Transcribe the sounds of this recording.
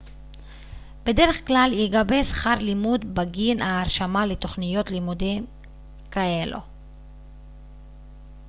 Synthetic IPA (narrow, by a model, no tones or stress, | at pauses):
be̞de̞ʁe̞χklaljeɡabesχaʁlimudbaɡinaːʁʃamalet̪o̞χnijo̞t̪limudim | kae̞lo̰